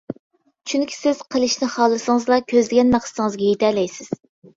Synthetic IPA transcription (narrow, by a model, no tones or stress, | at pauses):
t͡ʃʰyŋkʲʰi̥sɪz̥qʰəlˠɨʃnɪχɑːlˠɨsɨŋəzlˠɑkʲʰøzlɪɡʲɛnmæχsɨ̥t̪ɨŋəzɡʲɛjet̪ʰɛlɛjsɪz̥